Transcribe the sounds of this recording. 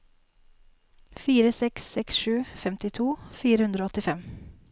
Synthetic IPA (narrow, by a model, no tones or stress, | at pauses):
fiːɾəsɛksːɛksʃʉːfɛmt̪ɪt̪ʰuːfiːɾəhʉnd̪ɾoːɔt̪ɪfɛm